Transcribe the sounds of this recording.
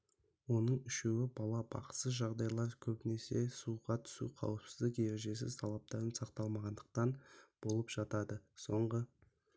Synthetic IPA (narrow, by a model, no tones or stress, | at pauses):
wo̞nəɴʏʃe̞wɪbɑlˠɑbɑ̰q̪səʒɑʁd̪ɑjlˠɑɾkʲʰɵbɪne̞se̞suʁɑt̪ʰʏ̥sṵqʰɑ̰wəpsɪ̥zd̪ɪkje̞ɾe̞ʒe̞s̬ɪ̰zt̪ʰɑlˠɑp̚t̪ɑɾənsɑqt̪ɑlˠmɑʁɑnd̪əq̚t̪ɑnb̥o̞lˠəpʒ̥ɑt̪ɑd̪əso̞ɴʁə